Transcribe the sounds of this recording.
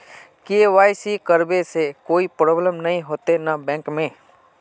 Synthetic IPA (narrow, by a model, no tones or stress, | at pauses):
keːʋaːisiːkəɾbesekoːipɾoːbləmnəĩɦoːt̪enabɛ̃ːŋkmẽː